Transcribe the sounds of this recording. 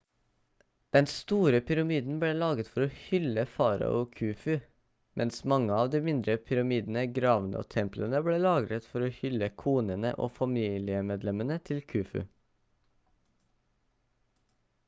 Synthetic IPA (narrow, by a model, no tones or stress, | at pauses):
d̪̥ɛnst̪uːɾəpʰʏɾɑmiːd̪n̩bɽeːlɑːɡət̪fɔɾoːhʏləfɑːɾɑ̰ʔoːkʰʉːfʉ | mʔɛnsmɑŋəɑːʋd̪iːmɪnd̪ɾəpʰʏɾɑmiːd̪n̩əɡɾɑːʋənə̰o̰ːt̪ʰɛmplənəbɽeːlɑːɡɾət̪fɔɾoːhʏləkʰuːnənə̰ʔo̰ːfɑmiːlɪəmeːd̪lɛmənət̪ʰɪlkʰʉːfʉ̰